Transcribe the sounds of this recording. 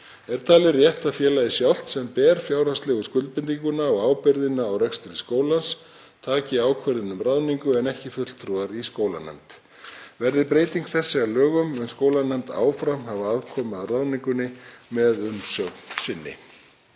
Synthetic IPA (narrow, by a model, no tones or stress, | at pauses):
ɛɾ̥t̪ʰaːlɪrjɛht̪aðfjɛːlajðɪsjawl̥t̪sɛmpɛːɾ̥fjaːwɾast̪lɛɣʏskʏlt̪pɪnt̪̬iŋkʏnaɔɣaːwpɪɾðɪnːaːwrɛkst̪ɪɾɪskoːwlans | t̪ʰaːcɪaːwkʰvɛɾðɪnʏmraðniŋkʏɛnɛhcɪfʏl̥t̪ʰɾuaɾiskoːwla̰nɛ̰mt̪ | vɛɾðɪpɾeːjt̪iŋkθɛsːɪalœːɣʏmɛnskoːwlanɛmt̪a̰ːwfɾamhavaaðkʰɔːmaðraðniŋkʏnːɪmɛðʏnsœknsɪnːɪ̰